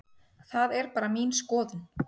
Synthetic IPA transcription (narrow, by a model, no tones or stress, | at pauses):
θaðɛɾpaːɾamiːnskɔːðʏn